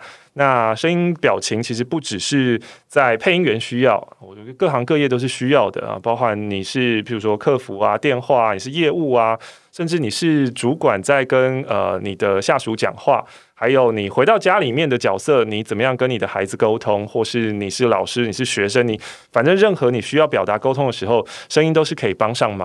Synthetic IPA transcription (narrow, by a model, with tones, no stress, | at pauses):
na˥˧ʂə˥ŋi˥ŋpjɑ˨˩ʊt͡ɕʰi˧˥ŋt͡ɕʰi˧˥ʂ̬ɻ̩˧˥pu˥˩ʈ͡ʂɻ̩˨˩ʂɻ̩˥˧t͡sa˥˧ɪpʰe˥˩ɪi˥ŋɥɛ˧˥nɕy˥jɑ˥˩ʊwɔ˨˩t͡ɕɛ˧˥ə˧kɤ˥˩xɑ˧˥ŋkɤ˥˧jɛ˥˧t̪̬o˥ʊʂ̬ɻ̩˥˩ɕy˥jɑ˥˩ʊd̪ə̰˩˦pɑ˥ʊxa˧˦nni˨˩ʂɻ̩˥˩pi˨˩ɻu˧˥ʂwɔ˥kʰɤ˥˩fu˧˥a˧t̪jɛ˥˧nxwa˥˩a˨ni˨˩ʂɻ̩˥˧jɛ˥˧u˥˩a˩ | ʂə˥˧nʈ͡ʂɻ̩˥˩ni˨˩ʂɻ̩˥˩ʈ͡ʂu˧˥kwa˨˩nt͡sa˥˩ɪkə˦˥nə̰˩ni˨˩d̪ə˦ɕja˥˩ʂu˧˥t͡ɕjɑ̰˨˩ŋxwa̰˥˩ | xa˧˥ɪjo˨˩ʊni˨˩xwe˧˥t̪ɑ˥˩ʊt͡ɕja˥li˨˩mjɛ˥˩nd̪ə˨t͡ɕjɑ˨˩ʊsɤ˥˩ni˨˥t͡sə˨˩mə˦jɑ˥˩ŋkə˥ni˨˩d̪ə˦xa˧˥ɪd͡z̩˨ko˥ʊt̪ʰʊ˦ŋxwɔ˥˧ʂɻ̩˥˩ni˨˩ʂɻ̩˥˩lɑ˨˩ʊʂɻ̩˥ni˨˩ʂɻ̩˥˩ɕɥɛ˧˥ʂə˥nni˨˩˦ | fa˨˩nʈ͡ʂə˥ŋɻə˥˩nxɤ˧˥ni˨˩ɕy˥jɑ˥˩ʊpjɑ˨˩ʊt̪a˧˥ko˥ʊt̪ʰʊ˥ŋd̪ə˨ʂɻ̩˧˥xo˥˧ʊʂə˥ŋi˥nt̪o˥ʊʂɻ̩˥˩kʰɤ˧˥i˨˩pɑ˥ŋʂɑ˥˩ŋmɐ˨